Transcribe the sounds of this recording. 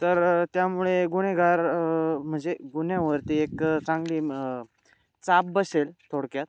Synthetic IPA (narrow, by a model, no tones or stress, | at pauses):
t̪əɾt̪jamuɭeɡuɽ̃eɡʱaɾm̤əɳd͡zeɡuɳjãʋəɾt̪iekt͡sãŋɡliː | t͡sap̚bəselt̪ʰoɽkjat̪̚